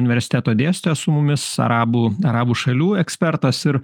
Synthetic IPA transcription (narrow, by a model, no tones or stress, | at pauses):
ʊnʲɪʋʲɛɾʲsʲɪ̥t̪ʲæːt̪oːd̪ʲeːsʲt̪ʲesʊmʊmʲɪsɐ̰ɾɑːbuːɐɾɑːbuːʃɐlʲuːɛksʲpʲɛɾt̪ɐsɪɾ